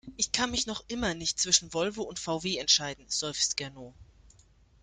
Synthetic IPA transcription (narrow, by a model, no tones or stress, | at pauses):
ʔɪçkʰanmɪçnɔχʔɪmɐnɪçt̚t͡sv̥ɪʃn̩vɔlvoʊntfaʊveːɛntʃaɪdn̩z̥ɔʏfsɡ̥ɛɐnoː